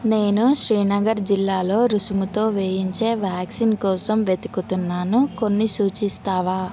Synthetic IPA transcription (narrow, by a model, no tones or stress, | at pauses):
ne̞ːnuʃɾiːnɐɡɐɾd͡ʒilːaːlo̞ːɾusumut̪o̞ːʋeːjiɲt͡ʃe̞ːʋjaːksinkɔːsɐmʋet̪ikut̪unːaːnuko̞nːisuːt͡ʃist̪aːʋaː